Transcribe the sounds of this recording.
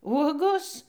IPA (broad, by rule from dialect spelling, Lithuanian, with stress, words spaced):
ˈuɔɡoːs